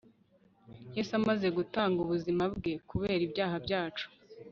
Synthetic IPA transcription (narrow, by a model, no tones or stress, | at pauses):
jesamaze̞ɡutaːŋɡuβuzimab̚ɡe̞kuβe̞ːɾibjaːɦabjaːt͡ʃu̥